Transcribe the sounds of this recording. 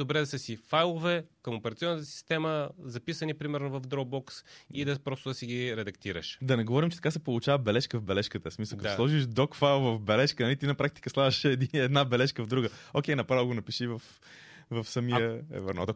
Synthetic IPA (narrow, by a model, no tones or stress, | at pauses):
obɾɛd̪ɐsəsifajlˠovɛkəmopɛɾɐt̪siɔnət̪əsi̥st̪ɛməzɐpisənipɾimɛɾnovɐvd̪ɾɔɡ̚bɔksid̪ɐpɾɔst̪ʊd̪ɐsiɡiɾɛd̪ɐkt̪iɾə̰ʃd̪ɐnɛɡovɔɾimt͡ʃɛt̪ɐkasɛpolˠut͡ʃavəbɛlɛʃkəvbɛlɛʃkət̪əsmisəlˠkɐt̪oslˠɔʒiəʃd̪ɔkfajlˠvəvbɛlɛʃkənɐlit̪inɐpɾak̚t̪i̥kəslˠadɐʃɛd̪iɛd̪nabɛlɛʃkəvd̪ɾuɡəokʲɛjnɐpɾavəlˠɡonɐpiʃivɐf | vɐfsɐmiəɛ̰və̰ɾnɔ̰t̪o